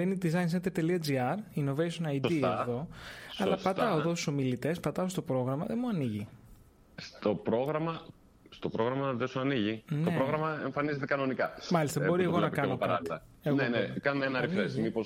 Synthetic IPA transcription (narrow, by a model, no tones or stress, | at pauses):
einid̪izɐjns̬end̪eɾt̪e̞liɐd͡ziɐɾino̞vejsonɐjd̪ieðo̞ɐlɐppɐt̪ɐoeðo̞su̥so̞milit̪e̞spɐt̪ɐost̪opɾo̞ɣɾɐmɐðemuɐniʝi | st̪o̞pɾo̞ɣɾɐmɐ | st̪opɾo̞ɣɾɐmɐðesoɐniʝint̪oepɾoɣɾɐmɐeɱfɐnizet̪ekɐno̞nikɐmɐlist̪ɐbbo̞ɾieɣonɐkɐnoɐt̪ieɣnoenekɐnmenɐɾifesmipos